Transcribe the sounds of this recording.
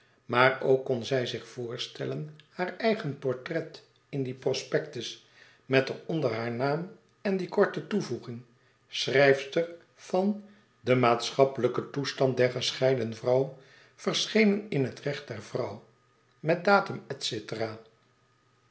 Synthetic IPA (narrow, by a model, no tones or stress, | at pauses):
maːɹowkːɔnzɛjzɪχfʊːɹstɛlənhaːɹɛjχənpɔɹtrɛt | ɪndiprɔspɛk̚təs | mɛtənɔndəɹɦaːɹnaːm | ɛndikɔɹtətuvuχɪŋ | srɛjfstər | v̥ɑn | dəmaːtsχɑpələkətustɑn̚dɛɹχəsχɛjdənəvrʌw | v̥əɹsχejnənɪnɦətrɛχt̚d̥ɛɹvrʌw | mɛt̚daːtəmɛtsetəraː